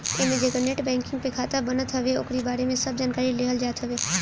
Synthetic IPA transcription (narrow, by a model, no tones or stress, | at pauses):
eːmẽd͡ʒekəneːʈbɛ̃ːŋkɪ̃ŋɡ̚pekʰaːt̪abənət̪ɦəʋeʊ̰kɾibaːɾemẽsəb̚d͡ʒaːnkaːɾileːɦəld͡ʒaːt̪ɦəʋeː